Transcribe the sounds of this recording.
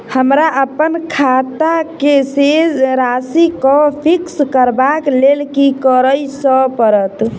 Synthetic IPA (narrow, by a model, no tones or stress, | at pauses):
həmɾaʔəpənkʰat̪akesed͡ʒɾasikəpʰikskəɾbaklelkikəɾəjsəpəɾət̪